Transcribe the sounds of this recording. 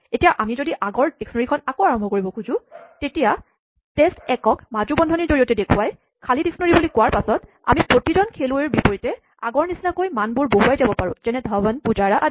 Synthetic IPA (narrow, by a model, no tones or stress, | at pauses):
etijaʔamizodiʔaɡɔɹd̥eksnoɹikʰɔnakoaɹɔmbʱɔkoɹibɔkʰuzʊ̃tetija | testɛkɔkmad͡ʒubɔndʱɔniɹzoɹijɔtɛdekʰuwaj | kʰalideksnoɹibulikʊwaɹpasɔt | a̰mipɹotizɔnkʰeluɛɹbipɔɹitɛ | a̰ɡɔɹnisinakojmanbʊɹboɦuajzabɔpaɹʊ̃zɛnɛdʱabanpuzaɹaʔ